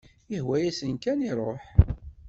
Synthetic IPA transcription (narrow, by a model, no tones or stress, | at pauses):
əhwæjæsənkæniɾˤoħ